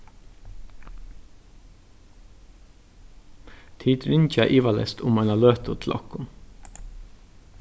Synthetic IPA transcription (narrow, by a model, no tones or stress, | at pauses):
t̪ʰiːt̪ʰɾɪnçɑʔiːʋɑlɛ̰st̪ʰʊmɑnɑløːt̪ʰʊt̪ʰlʔɑ̰kʊm